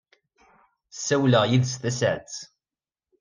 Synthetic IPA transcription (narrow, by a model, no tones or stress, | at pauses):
sːæwləʁjiðsθæsʕt͡s